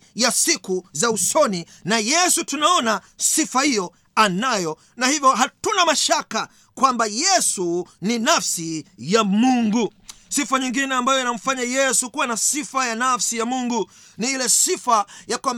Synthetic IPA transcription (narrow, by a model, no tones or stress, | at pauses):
jasikuzausɔni | najɛsutunaɔna | sifahijɔ | anajɔ | nahivjɔɦatunamaʃaka | kwambajɛsuninafsijamuŋɡusifaɲiŋɡinɛambajɔinam̩faɲajɛsukuwanasifajanafsijamuŋɡu | niilɛsifajakwam